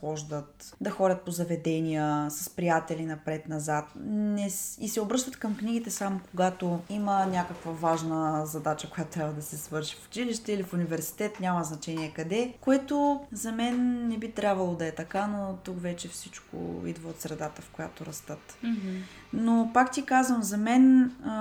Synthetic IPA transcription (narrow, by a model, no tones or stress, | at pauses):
xɔʒd̪ət̪d̪ɐxɔdʲət̪̚pozɐvɛd̪ɛnijəsɐspɾijat̪ɛlinɐpɾɛt̪nɐzat̪nɛisɛobɾɤʃt̪ət̪kɐmkniɡit̪ɛsamokoɡat̪oimənʲakəkvəvaʒnəzɐd̪at͡ʃəkojat̪ot̪ɾʲabvɐd̪ɐsɛsvɤɾʃi̥fu̥t͡ʃiliʃt̪ɛilifunivɛɾsi̥t̪ɛt̪nʲaməznɐt͡ʃɛnʲiɛkɐd̪ɛkoɛt̪ozɐmɛnːɛbit̪ɾʲabvɐlˠod̪ɐɛt̪ɐkanot̪ukvɛt͡ʃɛfsit͡ʃko̰ḭd̪vəot̪sɾɛd̪at̪əfkojat̪oɾɐst̪ɤt̪ | nopakt̪ikazvəmzɐmɛn